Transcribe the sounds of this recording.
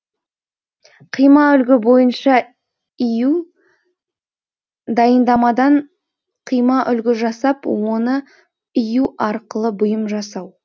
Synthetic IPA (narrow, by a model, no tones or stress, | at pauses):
qʰijmɑʏlɡʲɪbo̞jənʃɑ | iju | d̪ɑjənd̪ɑmɑd̪ɑɴ | qʰijmɑʔʏlɡʲɪʒɑsɑpwo̞nə | ijuɑɾqəlˠəbʊjəmʒɑsɑw